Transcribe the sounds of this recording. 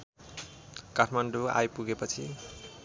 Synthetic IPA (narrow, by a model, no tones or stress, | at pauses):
kaʈʰmaɳɖua̰jpuɡepʌt͡sʰi